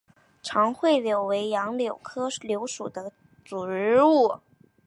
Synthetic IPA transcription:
ʈ͡ʂʰɑ˧˥ŋxwe˥˩ɪljo˨˩ʊwe˧˥ɪjɑ˧˥ŋljo˨˩ʊkʰɤ˥ljo˧˥ʊʂu˨˩d̪ə˦ | t͡su˨˩ɻɻ̩˥u˥˩

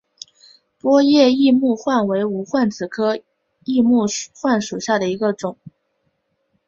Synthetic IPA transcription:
pwɔ˥jɛ˥˧i˥˧mu˥˧xwa˥˩nwe˧˥ɪu˧˥xwa˥˩nt͡sɹ̩˨˩kʰɤ˥ | i˥˧mu˥˩xwa˥˩nʂu˨˩ɕja˥˩d̪ə˩i˧˥ɡə˧ʈ͡ʂʊ˨˩˦ŋ

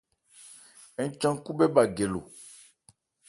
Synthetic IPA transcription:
ɛ˨˦t͡ʃã˦ŋ˦ku˦bɛ˦ba˨ɡe˨lo̰˨

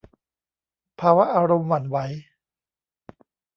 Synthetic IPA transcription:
pʰaː˧wa˦˥ʔaː˧ɾo˧mwa˨˩nwa˦˥j

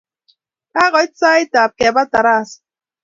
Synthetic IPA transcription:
a˦ɣɔ˨i˦t͡sa˦e˦ta˨p̚ke˨a˨ba˦ta˨ɾa˦˨sḁ˨

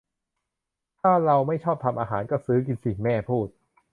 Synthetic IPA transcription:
t̪ʰaː˥˩ɾa˧wma˥˩jt͡ɕʰɔː˥˩p̚t̪ʰa˧mʔaː˧ɦaː˩˦nkɔː˥˩sɯː˦˥k̬i˧nsi˨˩mɛː˥˩pʰuː˥˩t̪̚

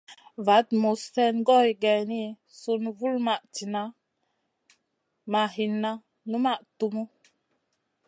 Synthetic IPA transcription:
va˨˦tmu˨sːɛ˦nɡɔ˦jɡɛ˨ni˦˨ | su˦nvu˦lma˨ʔti˨na˦ | ma˨ɦi˨nːa˦ | nu˦ma˦˨ʔtu˦mu˦

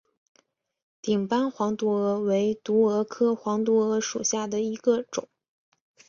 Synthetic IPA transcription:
t̪i˨˩ŋpa˥nxwɑ˧˥ŋt̪u˧˥ɤ˧˥we˧˥ɪt̪u˧˥ɤ˧˥kʰɤ˥xwɑ˧˥ŋt̪wu˧˥ɤ˧˥ʂṵ˨˩ɕja˥˩d̪ə˩i˧˥ɡə˧ʈ͡ʂʊ̰˨˩˦ŋ

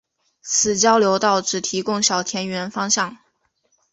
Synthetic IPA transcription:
t͡sʰɹ̩˨˩t͡ɕjɑ˥ʊljo˧˥ʊt̪ɑ˥˩ʊʈ͡ʂɻ̩˨˩t̪ʰi˧˥kʊ˥˧ŋɕjɑ˨˩ʊt̪ʰjɛ˧˥nɥɛ˧˥nfɑ˥ŋɕjɑ˥˩ŋ

